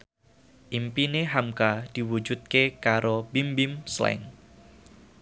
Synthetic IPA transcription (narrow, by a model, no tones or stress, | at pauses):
ʔimpineɦamkad̥i̤wud͡ʒut̪̚kekaɾobimbimslɛ̰ŋ